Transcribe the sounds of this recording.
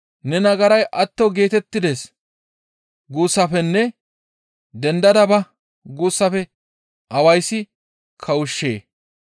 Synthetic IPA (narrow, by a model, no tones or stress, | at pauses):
nɛnɐɡɐɾɐjʔɐt̪ːɔɡe̞ːt̪ɛt̪ːɪd̪es | ɡuːsːɐfɛnːɛ | d̪ɛnd̪ɐd̪ɐbɐ | ɡuːsːɐfɛ | ʔɐwɐjsːɪ | kʰɐwʊʃːḛː